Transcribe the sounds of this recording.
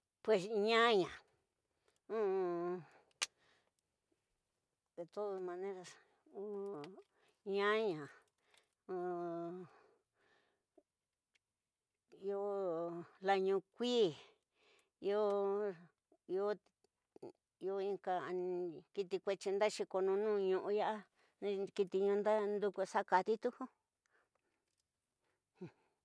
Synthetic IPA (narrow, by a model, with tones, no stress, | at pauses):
pwe˨sɲã˦ɲã˨ | ũ˦˧ | ðe˨t̪o˦ðo˧mã˧nẽ˦ɾa˧s | ũ˦ | ɲã˦ɲã˨ | ũ˧ | i˦˧o˦ | la˧ɲũ˧kʷiː˦ | jo˦ | jo˦ | jo˧ĩ˧ka˧ki˧t̪i˧kʷe˧t͡ʃi˧nd̪a˦ʃi˧ko˧nũ˧nũː˦˧ɲũ˧ʔũ˧ja˦ʔa˦˧ | ki˧t̪i˧ɲũ˧nd̪a˦nd̪u˧ku˧sa˦ka˧t̪i˦t̪u˦hu˦˧